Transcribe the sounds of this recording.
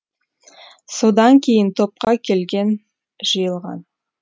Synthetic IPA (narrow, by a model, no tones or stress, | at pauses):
so̞d̪ɑŋkʲʰe̞jɪnt̪ʰo̞p̚qɑkʲʰe̞lɡʲe̞n | ʒ̥əjəlˠʁɑ̰n